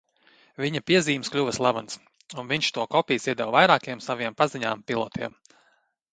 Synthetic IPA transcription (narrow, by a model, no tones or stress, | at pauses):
vʲiɲapʲiɛziːmsklʲuvɐslˠavans | unviɲʲʃt̪uɔkɔpʲiːsiɛd̪ɛwvajɾaːkijɛmsavijɛmpaziɲaːmpilˠɔt̪ʰiɛm